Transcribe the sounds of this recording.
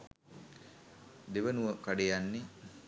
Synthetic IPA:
d̪eʋənuʋəkaɖejanːe

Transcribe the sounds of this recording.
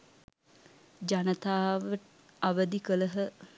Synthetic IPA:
d͡ʒanət̪aːʋəʈ | aʋəd̪ikələɦə

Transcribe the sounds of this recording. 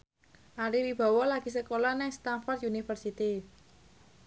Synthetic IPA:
ʔaɾiwib̥a̤wɔlaɡ̥i̤səkolɔnɪŋst̪anfɔrt̪unifərsit̪i

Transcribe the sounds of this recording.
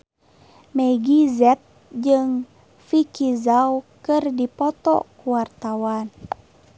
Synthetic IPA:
mɛɡizɛt̪̚ | d͡ʒɨŋ | fikizawkɨrdipɔt̪ɔ̰kuwart̪awan

